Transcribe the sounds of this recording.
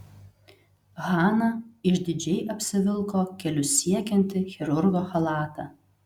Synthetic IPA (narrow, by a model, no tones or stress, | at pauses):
ɣɑːnɐɪʃd̪ʲɪd͡ʒʲɛɪʔɐpʲsʲɪʋʲɪlˠkoːkʲɛlʲʊsʲiɛkʲɛnʲt̪ʲɪxʲɛɾʊɾɡoːxɐlˠɑːt̪ɐː